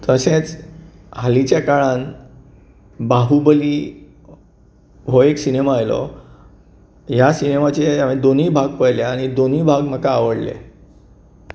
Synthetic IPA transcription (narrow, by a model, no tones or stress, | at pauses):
t̪əsẽt͡s | ɦalit͡ɕjakaɭãn | baɦubəliː | ʋoeksinemaːjlɔ̰ | jasinemat͡ɕeamẽd̪oniːbʱaɡ̚pəjleaɽ̃id̪oniːbʱaɡm̤əkaːʋəɽlḛ